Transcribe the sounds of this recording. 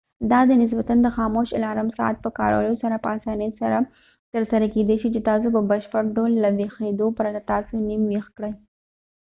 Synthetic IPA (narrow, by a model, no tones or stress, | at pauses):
d̪ɑd̪ənɪs̬bat̪and̪əxɑmoʃɪ̰lɑɾamsɑ̰a̰t̪̚pəkɑ̰ɾo̰ljosaɾapəasɑnəsaɾa | t̪əɾsaɾaked̪eʃit͡ʃet̪ɑs̬opəbaʃpaɾd̪olːawexed̪opəɾad̪at̪ɑsonimwexkɽəj